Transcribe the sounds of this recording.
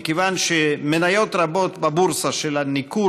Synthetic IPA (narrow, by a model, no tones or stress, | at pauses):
kevanʃemenajo̞t̪ʁabo̞t̪babuɾsaʃelaniku